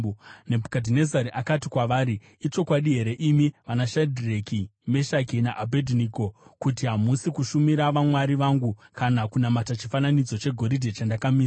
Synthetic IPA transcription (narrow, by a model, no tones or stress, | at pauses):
nebʱukadʱinezaɾiʔakatikwaʋaːɾiː | t͡ʃo̞kwaɗiɦe̞ɾe̞ʔimiʋanaʃadʱrekime̞ʃakinaʔabʱedʱiniːko̞kutiɦamusikuʃumiɾaʋamwaɾiʋaŋɡukanakunamatat͡ʃifananid͡zo̞t͡ʃe̞ɡʱo̞ɾidʱet͡ʃandakamiːs